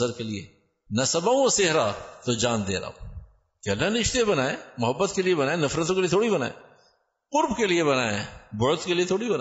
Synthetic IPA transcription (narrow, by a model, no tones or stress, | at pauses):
əɾkeliḛ | nɐsɐbaũoseɦɾat̪od͡ʒaːnd̪ḛːɾa̰ːo̰ | keɐlːanɪʃt̪ebɐnaːemʊɦəbːət̪keliebɐnaːenɐfɾət̪õkeliet̪ʰoːɽibɐna̰ːḛ | qʊɾbkelieβɐnaːebʊt̪keliet̪ʰoːɽibɐna